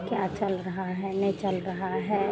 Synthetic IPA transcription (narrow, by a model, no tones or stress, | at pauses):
kjat͡ʃɐlɾɐɦaɦɛnəit͡ʃɐlɾɐɦaɦɛː